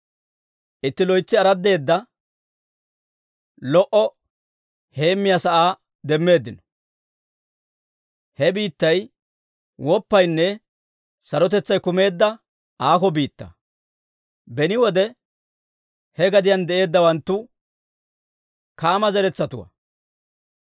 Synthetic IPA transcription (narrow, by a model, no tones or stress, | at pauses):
ʔɪt̪ːɪlɔjt͡sːɪɐɾɐd̪ːe̞ːd̪ːɐ | lɔʔɔ | he̞ːmːɪjasɐʔaː | d̪ɛmːe̞ːd̪ːɪnɔ̥ | hɛbiːt̪ːɐj | wɔpːɐjnːɛ | sɐɾɔt̪̬ɛt͡sːɐjkʊme̞ːd̪ːɐ | aːkɔbiːt̪ːɐ̰ | bɛnɪwɔd̪ɛ | hɛɡɐd̪ɪjɐnd̪ɛʔe̞ːd̪ːɐwɐnt̪ːʊ | kaːmɐzɛɾɛt͡sːɐt̪ʊwɐ̰